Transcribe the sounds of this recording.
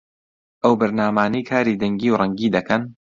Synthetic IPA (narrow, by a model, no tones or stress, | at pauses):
ʔɐwbɨɾnaːmaːnijkʰaːɾiːd̪ɐŋɡiːwrˤɐŋɡiːd̪ɐkʰɐn